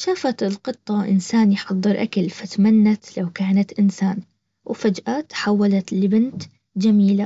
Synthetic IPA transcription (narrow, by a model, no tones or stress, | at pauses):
ʃaːfat̪ɪlqɨt̪ˤːɑwʔɪ̰nsaːnjħɑðˤːɨɾʔakalfat̪manːat̪lawkaːnat̪ʔɪnsaːn | wfad͡ʒʔaːt̪ħawːalat̪lbɪnt̪ | d͡ʒamiːla